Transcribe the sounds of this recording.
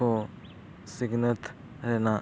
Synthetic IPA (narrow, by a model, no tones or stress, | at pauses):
oː | sɪɡnət̪ | ɾeːna